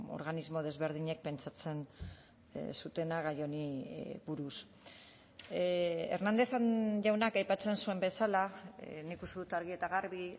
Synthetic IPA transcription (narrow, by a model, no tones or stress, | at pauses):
o̞̰ɾɣanizmo̞ð̞e̞zβe̞ɾð̞iɲe̞k̚pe̞nt͡ʃat͡se̞n | sut̪e̞naɣajo̞niβuɾus | eɾnand̪e̞θanʝawnakajpat͡se̞nsue̞mbe̞salaniikust̪eðut̪aɾɣie̞t̪aɣaɾβi